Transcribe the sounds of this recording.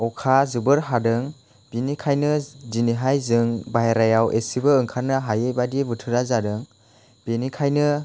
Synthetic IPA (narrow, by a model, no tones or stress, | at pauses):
ɔwkʰazɯbɯɾɦadɯŋ | binikʰajnɯziniɦajzɯŋbajɾajawʔesibɯɯŋkʰaɾnɯɦajejbadibɯtʰɯɾazadɯŋ | b̥enikʰajnɯ